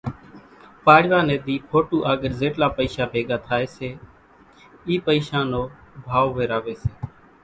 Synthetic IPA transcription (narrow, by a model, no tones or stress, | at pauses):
paːɽʋaːneːd̪iːpʰoːʈuːʔaːɡəɾzeːʈlaːpəiːsaːbʱeːɡaːt̪ʰaːeːseː | iːpəiːʃãːnoːbʱaːʋʋeːɾaːʋeːseː